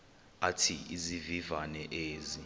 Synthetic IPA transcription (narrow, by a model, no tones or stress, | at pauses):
atʰiizivivanɛʔeːzi